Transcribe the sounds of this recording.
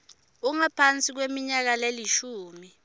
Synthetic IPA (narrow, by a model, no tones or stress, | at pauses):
uŋapʰant͡sʼik̬wemiɲak̬aleliʃuːmi